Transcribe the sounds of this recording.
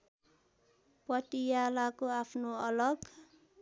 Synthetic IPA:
pʌtijalakoapʰnoʌlʌɡ

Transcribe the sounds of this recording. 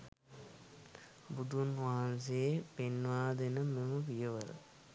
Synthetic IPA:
bud̪unʋaɦans̬epenːʋaːd̪enəmeməʋijəʋəɾə̰

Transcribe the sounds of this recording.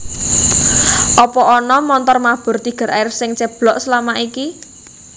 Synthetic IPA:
ʔɔpɔʔɔnɔmɔnt̪ɔrmab̥ɔ̤rt̪iɡ̥ə̤ɾʔa̰ɪrsɪŋt͡ʃɛb̥lɔʔsəlamaʔiki

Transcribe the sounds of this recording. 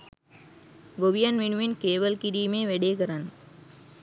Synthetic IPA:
ɡoʋijɐnʋinuʋinkeːʋɐlkiɾiːmeːʋeɖeːkɐɾan

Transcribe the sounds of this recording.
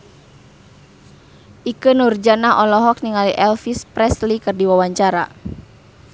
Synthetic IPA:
ʔikɨnurd͡ʒanaʔɔlɔɦɔk̚niŋaliʔɛlfispɾɛslikɨrdiwawaɲt͡ʃaɾa̰

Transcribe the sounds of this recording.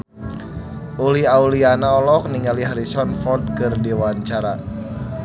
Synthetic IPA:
ʔuliaulianaɔlɔk̚niŋaliɦaɾisɔnfɔrd̪̚kɨrdiwaɲt͡ʃaɾa

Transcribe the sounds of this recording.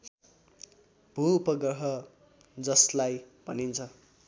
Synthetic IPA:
b̥ʱuːpʌɡrʌɦʌ | d͡zʌslaj | bʱʌnint͡sʰʌ

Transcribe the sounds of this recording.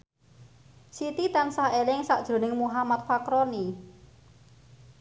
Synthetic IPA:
sit̪it̪ansahelɪŋsaʔd̥ʒ̥o̤nɪŋmuɦamat̪̚fakɾoni

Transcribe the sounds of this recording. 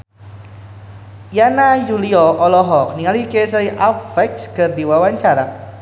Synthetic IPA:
janajuliɔʔɔlɔɦɔk̚niŋalikesəiʔafɛk̚skərd̪iwawaɲt͡ʃaɾa

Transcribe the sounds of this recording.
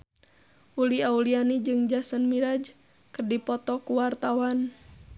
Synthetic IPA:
ʔuliaulianid͡ʒɨŋd͡ʒasənmiɾad͡ʒ | kərdipɔt̪ɔkuwart̪awan

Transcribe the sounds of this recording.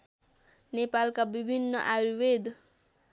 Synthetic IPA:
nepalkabibʱinːʌʔaɾuwed̪

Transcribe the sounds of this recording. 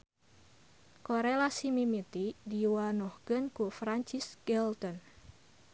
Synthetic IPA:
koɾelasimimit̪idiwanɔhkənkufɾaɲt͡ʃisɡ̥ɛlt̪ɔn

